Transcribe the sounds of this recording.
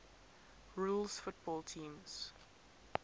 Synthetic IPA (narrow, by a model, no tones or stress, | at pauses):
ɹuːlˠsfʊt̚b̥ɔːlˠtʰĩːmz̥